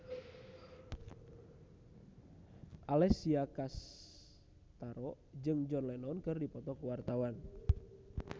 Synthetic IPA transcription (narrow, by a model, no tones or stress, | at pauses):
ʔalɛsiakas | t̪aɾɔ | d͡ʒɨŋd͡ʒɔnlɛnɔnkɨrdipɔt̪ɔkuwart̪awan